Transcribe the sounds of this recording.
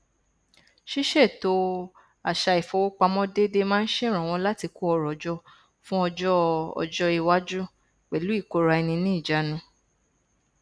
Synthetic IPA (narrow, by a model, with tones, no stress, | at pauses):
ʃi˦ʃe˦˨to˧ | a˨ʃa˧i˨fɔ˨˧wo˦k͡pa˧mɔ̃˦de˦de˦mãː˦n̩˦ʃe˦˨ɾ̃ã˨w̃ɔ̃˧˦la˦ti˧ko˦ɔ˧ɾɔ˨d͡ʒɔ˧ | fũ˦ɔ˧d͡ʒɔ˦ɔ̰˧d͡ʒɔ˧i˧wa˦d͡ʒu˦ | k͡pɛ˨lu˨˦i˦˨ko˨˦ɾa˧ɛ˧nĩ˧nĩ˦i˦˨d͡ʒa˨˦nũ˧˦